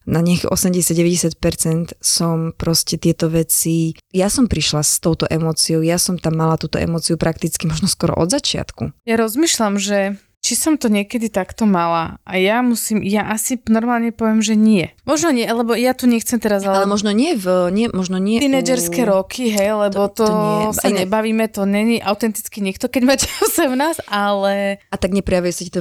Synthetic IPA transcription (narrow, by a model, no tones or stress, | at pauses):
naɲɪakɛ̰ʔɔsɛmɟɛsjaɟɟɛʋɛɟɛsɪac̪pɛɾt͡sɛnt̪sɔmpɾɔscɛt̪ɪɛt̪ɔʋɛt͡sijasɔmpɾiʃlast̪ɔʊt̪ɔʔɛmɔːt͡siɔʊjasɔmt̪amːalat̪uːt̪ɔ̰ʔɛ̰mɔːt͡siupɾʔakt̪it͡skimɔʒnɔskɔɾɔ̰ʔɔ̰d̪zat͡ʃɪa̰t̪kṵjaɾɔzmiːʃlamʒɛ | t͡ʃisɔmt̪ɔɲɪɛkɛd̪it̪akt̪ɔmalaa̰jamusiːmjaʔasinɔɾmaːlɲɛpɔʋɛmʒɛɲɪɛmɔʒnɔɲɪɛlɛbɔjat̪uɲɛxt͡sɛmt̪ɛɾazalalɛmɔʒnɔɲɪɛvɲɪɛmɔʒnɔɲɪɛt̪inɛd͡ʒɛɾskɛɾɔkʰiɦɛjlɛbɔt̪ɔsaɲɛbaʋiːmɛt̪ɔɲɛɲiʔaʊt̪ɛnt̪i̥t͡skiɲɛkt̪ɔkɛɟmacɛsɛʊnaːsʔalɛat̪aɡɲɛpɾɛjaʋuɛsicɛt̪ɔ